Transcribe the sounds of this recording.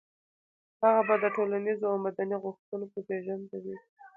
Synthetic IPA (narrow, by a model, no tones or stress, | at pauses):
haɣabad̪əʈolanizoawmad̪aniɣʊxt̪unopəbeʒand̪awi